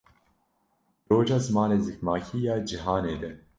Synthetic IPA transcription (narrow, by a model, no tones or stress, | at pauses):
ɾoːʒaːzɨmɑːneːzɨkmaːkʰijaːd͡ʒiɦaːneːd̪ɛ